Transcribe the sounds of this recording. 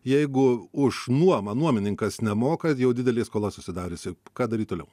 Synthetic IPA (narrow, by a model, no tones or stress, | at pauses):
jɛɪɡʊʊʃnuɔmɐnuɔmʲɪnʲɪŋkɐsnʲɛmoːkɐjɛʊd̪ʲɪd̪ʲɛlʲeːskoːlˠɐsʊsʲɪd̪ɑːɾʲʊsʲɪkɑːd̪ɐɾʲiːt̪̚t̪oːlʲɛ̰ʊ